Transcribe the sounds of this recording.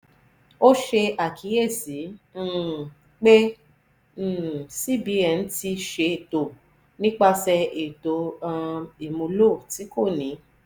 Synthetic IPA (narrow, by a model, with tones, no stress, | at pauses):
o˦ʃe˧a˨kʰi˨˦je˦˨sĩ˨˦˨ | k͡pẽ˦˨ | si˦bi˨˦ɛ˧n̩˦ti˧ʃe˧e˨to˨ | nĩ˦k͡pa˧sɛ˧e˨to˨˦ã˧i˨mũ˧lo˦˨ti˨˦ko˦˨nĩ˨˦